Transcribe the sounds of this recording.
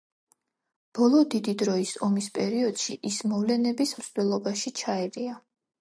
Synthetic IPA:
b̥ɔlˠɔd̪id̪id̪ɾɔisɔmispʼɛɾiɔd̪̥ʃiʔismɔvlɛnɛbismslɛlˠɔbaʃit͡ʃʰaɛɾia

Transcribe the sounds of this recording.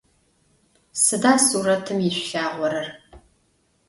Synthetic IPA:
sɨdaːsuːɾɐtʰɨmjɪɕʷɬaːʁʷɔɾɐr

